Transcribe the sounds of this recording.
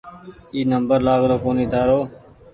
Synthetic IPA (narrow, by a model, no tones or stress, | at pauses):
iːnəmbəɾlaːɡɾoːkoːniːt̪aːɾoː